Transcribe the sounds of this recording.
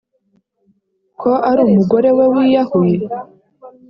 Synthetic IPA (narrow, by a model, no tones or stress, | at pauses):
kʰoʔaɾuːmuɡo̞ɾe̞we̞wijahoje